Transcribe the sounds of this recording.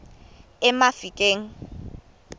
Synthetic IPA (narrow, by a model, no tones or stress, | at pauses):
ɛmafikʼeːŋ̩